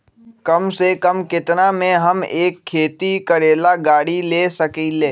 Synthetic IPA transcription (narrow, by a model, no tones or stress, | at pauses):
kɐmsekəmkɪt̪namẽɦɐmeːkʰːeːt̪ikəɾeːlaɡaːɽileːsɐkiːleː